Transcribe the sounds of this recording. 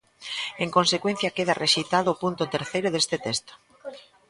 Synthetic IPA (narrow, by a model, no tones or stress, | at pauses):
eŋkonsekwen̟θjɐkeðɐreʃejt̪aðʊːpunt̪ʊt̪eɾθejɾʊðest̪ɪt̪est̪o̥